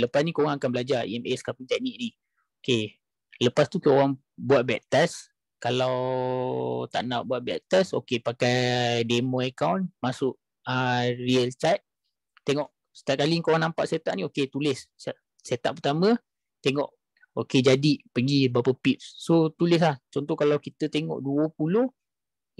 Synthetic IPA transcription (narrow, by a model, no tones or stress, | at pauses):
ləpasnikoɣaŋakanbəlad͡ʒaḭɛmɛskapənt̪aʔ̚niʔ̚ni | oke | ləpast̪ukowaŋ | buaʔ̪̚bɛʔ̚t̪ɛs | kalaw | t̪a̰ʔnaʔbuaʔ̪̚bɛʔ̚t̪ɛso̰kepakajdemə̃əkawnmasʊʔ | əriəlt͡ʃajt̪̚ | t̪eŋɔʔ | sə̥t̪aʔ̚kaliŋkowaŋnampaʔset̪aʔnĩoket̪ulɪs | set̪a̰ʔpət̪amə̃ | t̪eŋɔʔ | oked͡ʒadipəɡibapəpip̚sːot̪ulɪs̬laht͡ʃɔnt̪ɔhkalawkit̪ət̪eŋɔ̰ʔduəpuloh